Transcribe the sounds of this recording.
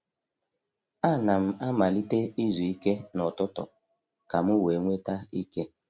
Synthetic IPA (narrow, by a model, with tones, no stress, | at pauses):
a˦˨na˨m̩˨a˦ma˨li˦te˦i˦zu˨i˦ke˦nɔ˨tʊ˦tɔ̰˨ | ka˨mʊ˦we˨˦ŋʷe˦ta˦i˦ke˦